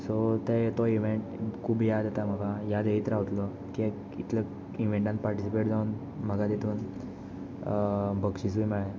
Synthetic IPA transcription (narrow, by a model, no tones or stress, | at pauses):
sot̪et̪ɔiʋeɳʈkʰuːbjad̪et̪am̤əɡajad̪eit̪əɾaʋt̪lɔ | kie | it̪lə | iʋ̤ẽɳʈãn̚paɾʈisipeʈd͡zaun | m̤əɡad̪et̪ʰuːn | bəɡɕisujmaɡe